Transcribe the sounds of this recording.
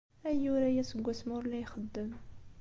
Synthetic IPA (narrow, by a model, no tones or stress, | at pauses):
æjuɾæjæsəɡʷːæsmʊɾlæjxəd̪ːəm